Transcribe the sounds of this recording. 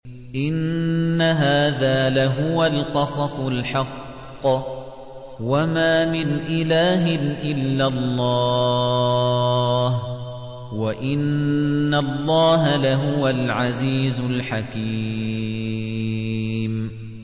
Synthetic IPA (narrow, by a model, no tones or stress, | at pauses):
ʔɪnːaɦaːðaːlaɦʊwalqɑsˤɑsˤlħɑqː | wamaːmɪnʔɪlaːɦɪnʔɪlːalˤːɑː | h | waʔɪnːalˤːɑːɦalaɦʊwalʕaziːzʊlħakiː | m